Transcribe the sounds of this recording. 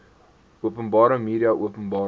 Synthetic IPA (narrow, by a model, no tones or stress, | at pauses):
uəpənbɑːɾəmiːɾiɐʔuəpənbɑː